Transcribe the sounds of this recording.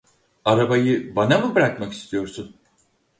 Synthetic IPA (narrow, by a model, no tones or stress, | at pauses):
aɾabajɯbanamubɾakmaki̥st̪ʰijo̞ɾsun